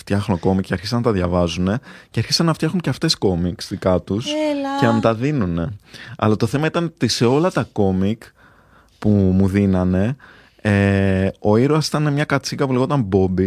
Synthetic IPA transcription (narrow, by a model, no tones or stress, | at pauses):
ft̪çɐxnoko̞mikːɐɾçisɐnɐt̪ɐðʝɐvɐzune̞ceɐɾçisɐnːɐft̪çɐxuɲceɐft̪e̞sko̞miksðikɐt̪uscenɐmut̪ɐðinune̞ɐ̰lɐt̪o̞θe̞mɐit̪ɐnt̪ise̞o̞lɐt̪ɐko̞mik | pumuðinɐne̞ | eo̞iɾoɐsi̥t̪ɐnemɲɐkɐt͡sikɐpuleɣot̪ɐmbo̞bi